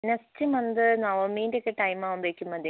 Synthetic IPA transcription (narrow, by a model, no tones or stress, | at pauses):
nɐstɨmɐnd̪ɨnɐʋɐmiːndeokːeʈɐjmaːʋumbekʲːumːɐd̪e